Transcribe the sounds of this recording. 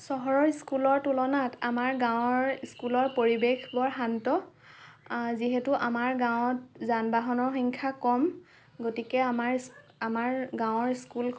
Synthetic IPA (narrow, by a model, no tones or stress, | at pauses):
sɔɦɔɹɔɹiskulɔɹtulɔnatamaɹɡãw̃ɔɹiskulɔɹpoɹibexbɔɹɦantɔ | ziɦɛtuʔamaɹɡãw̃t̚zanbaɦɔnɔɹxɔŋkʰakɔm | ɡotikɛamaɹ | amaɹɡãw̃ɔɹiskul